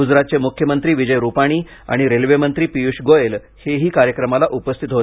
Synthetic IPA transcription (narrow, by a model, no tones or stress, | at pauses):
ud͡zɾat̪̚t͡semukʰjəmənt̪ɾiːʋid͡ʑəjɾupaɽ̃iː | a̰ɽ̃iɾelʋemənt̪ɾiːpijuɕɡojel | heɦiːkaɾjəkɾəmalaʔupəst̪ʰit̪ɦo